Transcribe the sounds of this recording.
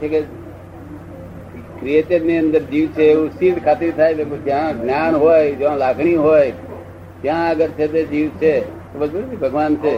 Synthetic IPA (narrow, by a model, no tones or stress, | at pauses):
t͡ʃʰeke | kɾiet͡ʃəɾniə̃nd̪əɾd͡ʒiːʋt͡ʃʰeeʋũsiːʈkʰaːt̪iɾt̪ʰaːjt̪ekod͡ʒɦãɡnjaːnɦoːjd͡ʒãlaːɡʰʱɽ̃iɦoːj | d͡ʒjãəɡəɾt͡ʃʰet̪ed͡ʒiːʋt͡ʃʰet̪obəd͡ʒbuɾb̪ibʱəɡʋaːnt͡ʃʰe